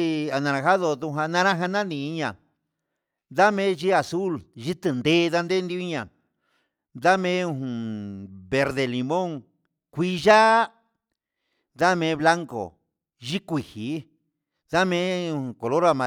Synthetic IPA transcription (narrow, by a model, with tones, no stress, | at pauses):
a˨˧nã˧ɾã˧xa˦ðo˧ðũ˧ɦã˧nã˧ɾã˦ɦã˧nã˦nĩ˧˨i˧ɲã˨ | ða˦mẽ˦ʒi˦a˨su˦lʒi˦t̪ɨ˧nd̪e˦˧ða˧nd̪e˦nd̪i˧˦i˦ɲã˨ | d̪a˦mẽ˦ũ˧ɦũ˨βe˧ɾðe˧˨li˧mõ˦ŋ | kʷi˦ʒa˦ | ða˦mẽ˧˦βla˦ŋko̰˨ | ʒi˦kʷi˨hi˨˦ | ða˦mẽ˦ũ˧ũ˨˧ko˨lo˦ɾa˧mã˨